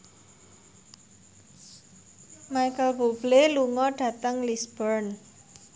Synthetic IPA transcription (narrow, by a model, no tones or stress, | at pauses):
majkəlbobleluŋɔɖ̥ä̤t̪əŋlisb̥ərn